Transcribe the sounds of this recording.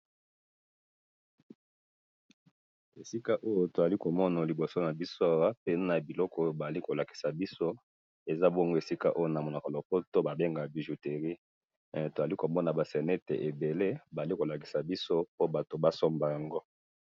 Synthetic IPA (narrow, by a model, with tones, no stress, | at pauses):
e˨si˦ka˦ʔo˦jo˦to˨za˨li˦ko˨mɔ˦na˨li˨bo˨so˦na˨bi˦so˦a˦wa˦pe˦na˨bi˨lɔ˦kɔ˦ba˨a˨li˦ko˨la˨ki̥˨sa˨bi˦so˦ | e˨za˦bɔ˦ŋɡo˦e˨si˦ka˦ʔo˦jo˦˨na˨mo˨la˨ko˨lo˨kɔ˦to˦ba˨be˦ŋɡa˨bi˨ʒu˨te˨ʁi˦˨ | to˨za˨li˦ko˨mɔ˦na˨ba˨sɛ˨nɛ˦tḛ˨ʔe˨be˨le˦ba˨li˦ko˨la˨ki˨sa˨bi˦so˦po˦ba˨to˨ba˦sɔ˦mba˨ja˨ŋɡo˦